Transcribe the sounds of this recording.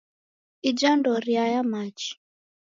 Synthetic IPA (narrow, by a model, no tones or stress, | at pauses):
id͡ʒandɔɾiajamat͡ʃi̥